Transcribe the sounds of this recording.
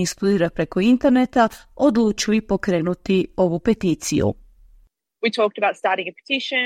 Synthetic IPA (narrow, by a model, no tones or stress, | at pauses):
ist̪ud̪iːɾapɾekoint̪eɾnet̪aod̪lut͡ʃiuipokɾeːnut̪ioʋupet̪iːt̪sḭjṵ | witʰɔˑk̚təbaʊtstɑːˑɾɪ̃ŋəpʰə̥tʰɪʃə̃